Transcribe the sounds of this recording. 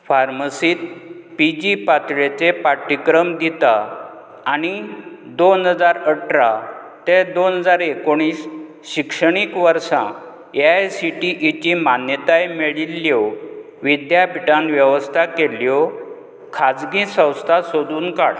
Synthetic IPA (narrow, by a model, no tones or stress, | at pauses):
faɾməsiːt̪̚pid͡ʑipat̪ɭet͡sepaʈːikɾəmd̪it̪aː | ɽ̃id̪onɦəd͡zaɾəʈɾa | t̪ẽd̪onɦəd͡zaɾekoɽ̃iːs | ɕikʂəɽ̃ikʋəɾsã | eajsiʈiʔit͡ɕimanjət̪ajmeɭilːjo | ʋid̪jabiʈãnʋjəʋəst̪ʰakeljɔ | kʰad͡zɡĩsə̃w̃st̪ʰasod̪uːnkaɽ